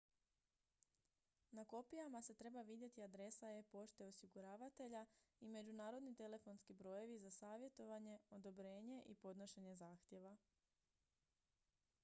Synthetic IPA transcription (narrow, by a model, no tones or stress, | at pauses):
nako̞pijamase̞t̪ɾe̞baʋid̪je̞t̪iad̪ɾe̞saje̞po̞ʃt̪e̞o̞siɡuɾaːʋat̪e̞ʎaime̞d͡ʒunaːɾo̞d̪nit̪e̞le̞fo̞nskibɾo̞je̞ʋizasaːʋje̞t̪o̞ʋaɲe̞o̞d̪o̞bɾe̞ːɲe̞ʔipo̞d̪no̞ʃe̞ɲe̞zaːxt̪je̞ʋa